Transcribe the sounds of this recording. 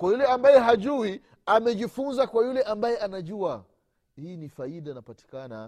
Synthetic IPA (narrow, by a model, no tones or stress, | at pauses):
kwajulɛambajɛɦaʄuwi | amɛʄifunzakwajulɛʔambajɛʔanaʄua | hiːnifaiɗainapati̥kana